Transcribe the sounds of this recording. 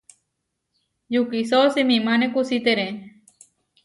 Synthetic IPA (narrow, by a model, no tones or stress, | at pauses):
jukisosemĩmãnẽkusit̪eɾẽ